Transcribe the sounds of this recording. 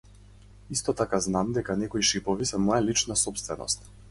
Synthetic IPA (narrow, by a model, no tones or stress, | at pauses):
ist̪ɔt̪akaznamd̪ɛkanɛkɔiʃipɔvisɛmɔjɛlit͡ʃnasɔpst̪vɛnɔ̰st̪